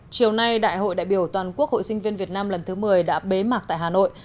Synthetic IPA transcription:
t͡ɕi˨˩əwna˧jɗa̰ː˧˨jɦo̰˧˨jɗa̰ː˧˨jɓi˧˩əwt̪waː˨˩nku˦˥ək̚ho̰˧˨jsï˧ŋ̟vi˧nvi˨˩ət̚naː˧mlə˨˩nt̪ʰɨ˨˦mɨ˨˩əjɗa̰ː˧˥ɓe˨˦maː˨˩k̚t̪a̰ː˧˨jɦaː˨˩no̰˧˨j

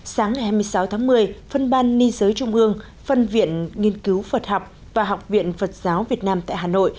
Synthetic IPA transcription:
saː˨˦ŋːa˨˩jhaː˧jmɨ˧əjsa˨˦wt̪ʰaː˨˦ŋmɨ˨˩əjfə˧nɓaː˧nːi˧zəː˨˦jt͡ɕʊ˧ŋ͡mʔɨ˧əŋ | fə˧nvḭ˧˨ənŋi˧ənki˨˦wfə˨˩t̚ha˨˩wk͡p̚ | vaː˨˩ɦa˨˩wk͡p̚vḭ˧˨ənfə˨˩t̚z̥aː˨˦wvi˨˩ət̚naː˧mt̪a̰ː˧˨jɦaː˨˩no̰˧˨j

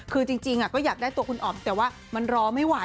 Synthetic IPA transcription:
kʰɯː˧t͡ɕi˧ŋt͡ɕi˧ŋʔa˨˩kɔː˥˩jaː˨˩k̚daː˥˩jt̪u˧əkʰu˧nʔɔː˨˩nt̪ɛː˨˩waː˥˩ | ma˧nɾɔː˧ma˥˩jwa˦˩˦

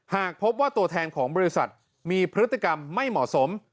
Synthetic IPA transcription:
haː˨˩k̚pʰo˦˥p̚waː˥˩t̪u˧ɐt̪ʰɛː˧nkʰɔː˩˦ŋbɔː˧ɾi˦˥sa˨˩t̪̚ | miː˧pʰɾɯ˦˥t̪ːi˨˩ka˧mːa˥˩jmɔ̰˨˩so˩˦m

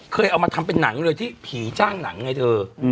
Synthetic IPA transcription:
kʰəː˧jʔa˧wmaː˧t̪ʰa˧mpe˧nːa˩˦ŋlɤː˧jt̪ʰiː˥˩pʰiː˩˦t͡ɕaː˥˩ŋna̰˨˩˦ŋːa˧jt̪əː˧˩

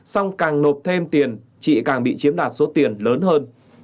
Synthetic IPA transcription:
sa˧wŋ͡mkaː˨˩ŋno˨˩p̚t̪ʰe˧mt̪i˨˩ən | t͡ɕḭ˧˨kaː˨˩ŋɓḭ˧˨t͡ɕi˨˦əmɗaː˨˩t̚so˨˦t̪i˨˩ənləː˨˦nhəː˧n

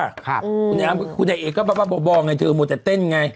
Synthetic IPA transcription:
a˧˥˩k̚ʰu˧nːa˨˧˩a˧kʰu˧nːa˨˧˩ʔeː˨˩kːɔː˥˩bɛː˨˧˩waː˧˩bɔː˧˦bɔː˧˩˧ŋa˧jt̪ʰɤː˧mo˨˧˩t̪ɛ˨˧˦t̪e˥˩n˧ŋa˧j

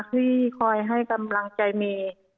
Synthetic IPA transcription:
kiː˧˩kʰɔ˧˩jɦa˧˥˩jka˧mla˧ŋt͡ɕa˧jmiː˧˩

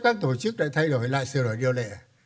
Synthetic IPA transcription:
kaː˦˥k̚t̪o˧˩t͡ɕɨ˦˥k̚ɗa̰ː˧˥t̪ʰa˧jɗo˧˩˦jla̰ː˧˨jsɨ˨˧˩ɗo˨˧˩jɗḭ˧˨əlɛ̰˧˨˩

